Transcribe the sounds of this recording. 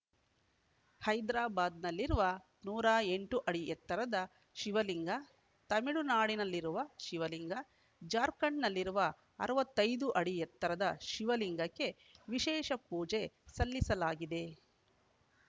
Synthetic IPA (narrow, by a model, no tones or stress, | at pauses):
hɐjd̪ɾaːbaːd̪nɐlːiɾuʋɐ | nuːɾaːeɳʈuʔɐɽiʔɛt̪ːɐɾɐd̪ɐ | ʃiʋɐliŋɡɐ | t̪ɐmiɽunaːɽinɐlːiɾuʋɐʃiʋɐliŋɡɐ | d͡ʒaːɾkɐɳnɐlːiɾuʋɐ | ɐ̰ɾɐʋɐt̪ːɐjd̪uʔɐɽijɛt̪ːɐɾɐd̪ɐʃiʋɐliŋɡɐkːe̞ | ʋiʃɛːʃɐpuːd͡ʒe̞sɐlːisɐlaːɡid̪e̞